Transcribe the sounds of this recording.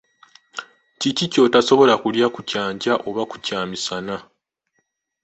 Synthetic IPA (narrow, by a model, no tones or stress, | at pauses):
cicico̞taso̞βo̞lakuljakucaːɲɟaʔo̞βaku̥caːmisana